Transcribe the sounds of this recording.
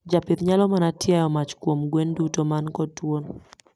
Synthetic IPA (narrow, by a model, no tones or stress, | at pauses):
d͡ʒapɪt̪ɲalɔmanatjajɔmat͡ʃkwomɡwendutomankɔtwon